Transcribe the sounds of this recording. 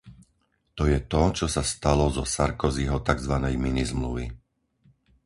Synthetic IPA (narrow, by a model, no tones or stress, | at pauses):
t̪ɔjɛt̪ɔt͡ʃɔsast̪alɔzɔsaɾkɔzɛɦɔt̪aɡzʋanɛjminizmlṵʋḭ